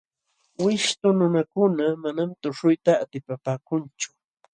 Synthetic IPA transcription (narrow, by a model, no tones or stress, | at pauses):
wɪʃt̪ʊnʊnakʊnamanamt̪ʊʂʊjt̪aːt̪ɪpapaːkʊnt͡ʃʊ̥